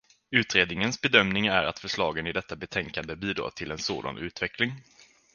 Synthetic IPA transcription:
ʉ̟ːt̪ɾeːd̪nɪŋənsbɛd̪œmnɪŋæɾa̰t̪fœʂɭɑːɡənɪd̪ɛt̪ːabɛt̪ʰɛŋkand̪əbiːd̪ɾɑ̰ːt̪ʰɪlɛnso̰ːd̪a̰nʉ̟ːt̪vɛklɪŋ

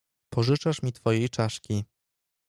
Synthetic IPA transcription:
pɔʐɘt͡ʂaʂmʲit̪fɔjejt͡ʂaʂkʲi

